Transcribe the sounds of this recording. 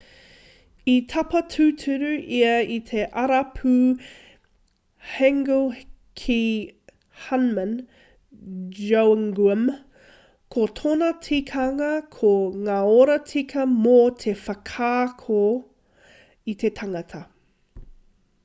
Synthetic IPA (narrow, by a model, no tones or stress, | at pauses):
it̪ʰɐpɐtʰʉtʰʉɾʉʔiɐit̪ʰe̞ʔɐɾɐpʰʉ | hɛŋɡulkʰi | hɐnmən | d͡ʒowŋɡəm | kʰot̪ʰonɐt͡sʰikʰɐŋɐkʰoŋaːoɾɐt͡sʰikʰɐmot̪ʰe̞fɐkʰaːkʰo | it̪ʰe̞tʰɐŋɐt̪ʰɐ